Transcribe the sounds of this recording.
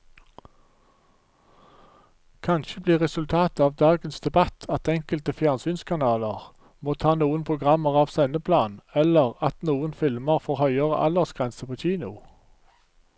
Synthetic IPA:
kʰɑnʃəbliːʁɛsʉlt̪ʰɑːt̪ɑːʋd̪ɑːɡənsd̪ɛbɑt̪ʰɑt̪ɛŋkəlt̪əfjæːnsyːnskʰɑnɑːləʁ | moːt̪ʰɑːnuːənpʰʊɡʁɑməʁɑːʋsɛnəpʰlɑːnɛləʁɑt̪nuːənfɪlməʁfɔːʁhœʏəʁə̰ʔɑ̰ləʁsɡ̥ʁɛnsəpʰoːçiːnʊ

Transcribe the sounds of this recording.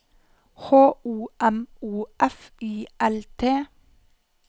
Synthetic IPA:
hoːuːʔɛmuːʔɛfiːʔɛlt̪ʰeː

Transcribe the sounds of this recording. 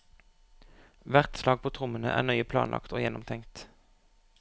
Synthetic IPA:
ʋæʁt̪slɑːɡ̚pʰoːt̪ʰʁʊmənəʔæ̰ːʁnœʏəpʰlɑ̰ːnlʔɑ̰kt̪ʰoːjɛnɔmt̪ʰɛŋt̪

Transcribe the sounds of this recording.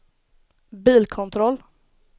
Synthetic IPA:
biːlkʰʊnt̪ʰɾɔl

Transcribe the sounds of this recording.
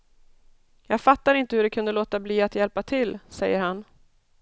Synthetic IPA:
jɑːɡfat̪ːaɾɪnt̪əhɵɖɛkʰɵnd̪əloːt̪abliːat̪jɛlpat̪ʰɪlsɛjːəɾhan

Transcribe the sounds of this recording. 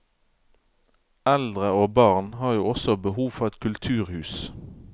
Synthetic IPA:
æld̪ʁəoːbɑːʁnhɑːʁjuːɔsɔbəhuːʋfɔʁɛt̪kʰʉlt̪ʰʉːʁhʉːs

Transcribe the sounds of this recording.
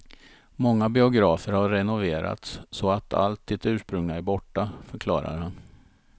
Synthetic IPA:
mɔŋːabɪʊɡɾɑːfəɾhaɾːɛnʊveːɾa̰t̪ssɔat̪ʰa̰lt̪̚d̪ɪt̪ʉ̟ːʂpɾɵŋnaæɾbɔʈːafœɾkʰlɑ̰ːɾa̰ɾhan

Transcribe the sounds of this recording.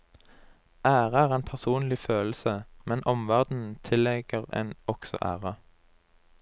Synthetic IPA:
ʔæːʁəæːʁeːnpʰæʁsuːnlɪføːlsəmɛnʔɔmʋæʁd̪n̩t̪ʰɪlɛɡ̥əʁḛːnɔksɔ̰ʔæ̰ːʁə

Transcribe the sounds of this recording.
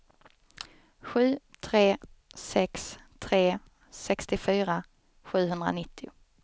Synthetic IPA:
ɧʉ̟ːt̪ʰɾeː | sɛkst̪ʰɾeː | sɛkst̪ɪfyːɾa | ɧʉ̟ːɦɵnd̪ɾa̰nɪt̪ʰːɪʊ

